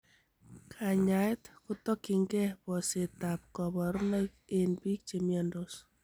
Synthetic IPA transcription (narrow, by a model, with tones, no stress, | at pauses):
kʰa˨ɲa˨jtkʊ˦tɔ˦kɪ˨ŋɡɛ˦bɔ˨se˨ta˨p̚kɔ˨βɔ˨ɾna˦ke˦nbi˦k̚t͡ʃe˨mja˦ndo˦s